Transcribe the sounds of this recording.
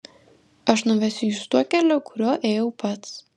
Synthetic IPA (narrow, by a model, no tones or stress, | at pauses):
ɐʃnʊʋʲɛsʲʊjust̪uɔkʲælʲoːkʊɾʲuɔʔeːjɛʊpɐt̪s